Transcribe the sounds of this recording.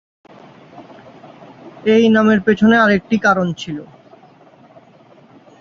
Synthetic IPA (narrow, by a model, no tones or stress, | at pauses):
ejnameɾpet͡ɕʰoneaɾek̚ʈikaɾont͡ɕʰilo